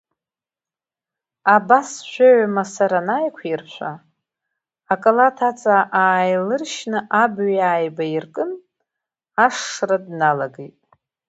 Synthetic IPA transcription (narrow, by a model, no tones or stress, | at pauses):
abasʃʷᶣaʕamasaɾanajkʷʰirt͡ɕʷʰa | akʼalatʰat͡sʼaʔaːjlɨrʃnɨʔabɥjaːjbairkʼɨn | aʂːradnalaɡejtʼ